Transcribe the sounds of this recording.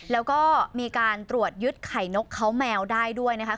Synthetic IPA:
lɛː˦˥wkɔː˥˩miː˧kaː˧nt̪ɾu˨˩ət̪̚jɯ˦˥t̪̚kʰa˨˩jno˦˥kʰːa˦˥wmɛː˧wdaː˥˩jdu˥˩əjna˦˥kʰa˥

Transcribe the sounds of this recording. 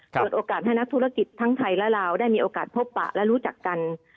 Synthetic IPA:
pɤː˨˩t̪̚ʔoː˧kaː˨˩t̪̚ha˥˩jna˦˥k̚t̪ʰu˦˥ɾa˧˩ki˨˩t̪ʰːa˦˥ŋt̪ʰa˧jlɛ˦˥laː˧wdaː˥˩jmiː˧ʔoː˧kaː˨˩t̪̚pʰo˦˥pːa̰˨˩ʔlɛ˦˥ɾuː˦˥t͡ɕa˨˩kːa˧n

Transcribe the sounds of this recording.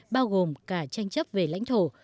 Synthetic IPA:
ɓaː˧wɣo˨˩mkaː˧˩t͡ɕa˧jŋ̟t͡ɕə˦˥p̚ve˨˩la̰˧˥jŋ̟t̪ʰo˧˩

